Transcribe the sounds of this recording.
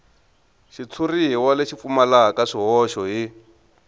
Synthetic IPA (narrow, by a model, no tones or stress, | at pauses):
ʃit͡sʰuriɦiwaleʃifumalakaʂiɦɔʃɔɦi